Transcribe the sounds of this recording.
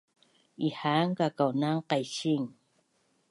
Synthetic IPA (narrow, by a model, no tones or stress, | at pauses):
ihaŋkakawnaŋqajɕiŋ